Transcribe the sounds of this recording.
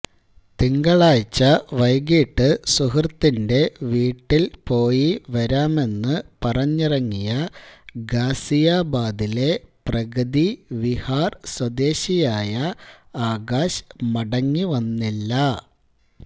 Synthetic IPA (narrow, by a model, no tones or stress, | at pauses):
t̪iŋɡɐɭaːjt͡ɕːɐʋɐjɡiːʈːɨsuhrt̪ːinde̞ʋiːʈːilpo̞ːjiʋɐɾaːme̞nːɨpɐrɐɲːirɐŋːijɐɡaːsijaːbaːd̪ile̞prɐɣɐd̪iʋihaːrswɐd̪e̞ːɕijaːjɐaːɡaːɕmɐɽɐŋːiʋɐnːilːɐ